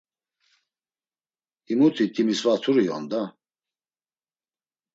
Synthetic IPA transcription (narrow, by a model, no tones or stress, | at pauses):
imut̪ʰit̪ʼimisvat̪ʰuɾijɔ̰nd̪a